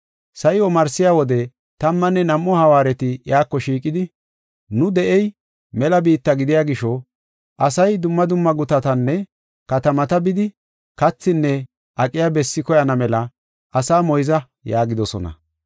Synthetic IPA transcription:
sɐjɪɔmɐɾsɪjawɔd̪ɛ | t̪ɐmːɐnːɛnɐmːɔhɐwaːɾɛt̪ɪjaːkːɔʃiːkʼːɪd̪ɪ | nʊd̪ɛʔɛj | mɛlɐbiːt̪ːɐɡɪd̪ɪjaːɡɪʃɔ | ʔɐsɐjd̪ʊmːɐd̪ʊmːɐɡʊt̪ɐt̪ɐnːɛ | kɐt̪ɐmɐt̪ɐbɪd̪ɪ | kɐt͡sːɪnːɛ | ʔɐkʼːɪjabɛsːɪkɔjɐnɐmɛlɐ | ʔɐsaːmɔjzɐ | jaːɡɪd̪ɔsɔ̰nɐ̰

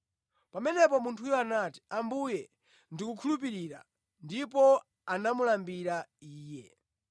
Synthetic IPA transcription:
pamɛnɛpɔmuntʰujɔanati̥ambujɛ | ndikukʰulup̬iɾiɾa̰ | ndipɔ | anamulambiɾaiːjɛ

